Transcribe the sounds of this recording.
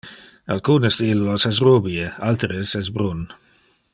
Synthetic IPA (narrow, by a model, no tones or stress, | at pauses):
alkuːnəsd̪ilːosɛs̬rubiealt̪ɾəsɛs̬bɾun